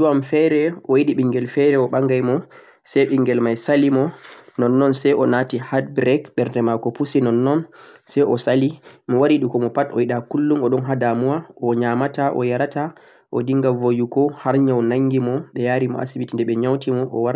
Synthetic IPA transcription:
duwamfɛɾɛʔɔjiɗiɓiŋɡɛlfɛɾɛɔɓaŋɡajmɔ | sɛjɓiŋɡɛlmajsalimɔnɔnːɔnsɛjɔnatihadbɾɛkɓɛɾdɛmakɔpusinɔnːɔnsɛjʔɔsalimiwaɾiɗukɔmɔpatɔjiɗakulːumɔɗɔnɦadamuwaɔɲamataʔɔ̰jaɾata | ʔɔ̰diŋɡavojukɔhaɾɲawnaŋɡimɔɓɛjaɾimɔ̰ʔa̰sibitindɛɓɛɲawtimɔʔɔwaɾ

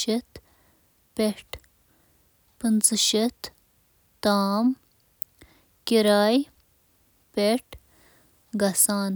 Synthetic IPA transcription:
ɐt̪ | peʈ | pɨnt͡sɕɐt̪ | t̪aːm | kiɾaːj | peʈ | ɡɐsaːn

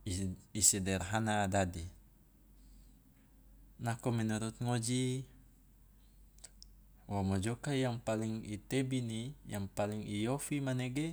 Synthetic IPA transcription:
sidɛrɦanaːdadi | nakɔmɛnuɾut̪̚ŋɔd͡ʒi | wamɔd͡ʒɔkajaŋpaliŋit̪ɛbinijaŋpaliŋijɔfimanɛɡɛ

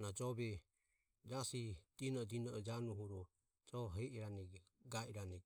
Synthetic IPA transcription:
nad͡ʒɔbɛ | d͡ʒasid̪̥inɔd̪inɔd͡ʒanuɦuɾɔ | d͡ʒɔɦɛʔɛɾanɛ | ɡaʔiɾanɛ

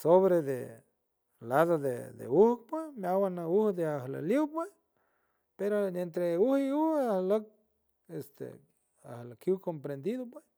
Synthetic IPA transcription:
soβɾed̪ḛ | laðod̪ḛd̪ḛuhk̚pwemawanauhd̪eahla̰ljiwpwe | peɾoent̪ɾeuhiuhahlək̚ | est̪ḛ | a̰hlakjuwkompɾend̪iðopwe

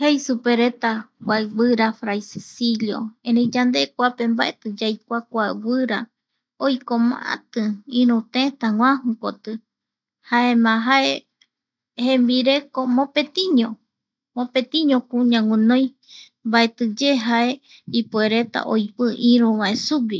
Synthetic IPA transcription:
hejsupeɾe̞t̪akʷaβɨɾafɾajssiʎjo̰ẽɾĩd͡ʒand̪e̞kʷape̞mbaʔet̪ɨd͡ʒajk̚ʷakʷawɨɾa | ojkomã̰ʔa̰t̪ɨĩɾũt̪ẽt̪aŋʷwãhũkot̪ɨ | haemãɦaʔe | hẽmbiɾe̞komõpet̪ĩɲõ | mõpet̪ĩɲõkũɲãŋʷĩnõj̃ | mbae̞t̪ɨd͡ʒeɦaʔe | ipueɾet̪a̰ʔo̰jpɨʔĩɾũβaesuwi

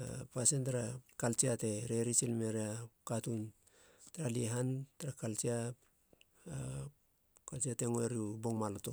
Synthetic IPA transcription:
a̰pasentaɾakalt͡ʃiate̞ɾeɾisilmeɾeakatun | taɾaliɦantaɾakalt͡ʃia | kalt͡ʃiate̞ŋoeɾiubo̞ŋmaloto̞

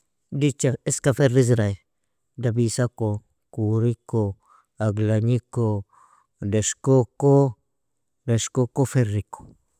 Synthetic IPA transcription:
dit͡ʃaiskafeɾiz̬ɾa | dabisako | kuɾiko | aɡlaɲiko | deʃkoko | deʃkokofeɾːiko̥

